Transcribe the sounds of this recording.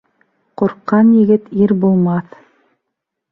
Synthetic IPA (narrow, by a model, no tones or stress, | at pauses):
qoɾqːɑnjɘ̆ɡɘt̪iɾbulˠmɑθ